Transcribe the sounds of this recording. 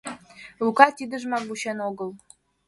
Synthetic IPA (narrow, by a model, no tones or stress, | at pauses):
lukɑt̪ʲid̪əʒmɑɡuɕenoɣəlˠ